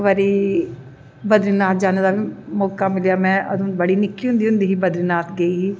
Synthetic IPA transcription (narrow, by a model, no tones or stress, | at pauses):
ʋaɾiː | bəd̪ɾɪnaːt̪̚d͡ʒaːneːd̪aːbiːmɔːkaːmɪlijaːmɛ̃ːʔə̰d̪õːbəɽiːnɪkːiːɦʊ̃nd̪iːɦʊ̃nd̪iːɦiːbəd̪ɾɪnaːt̪ɡəiːɦiː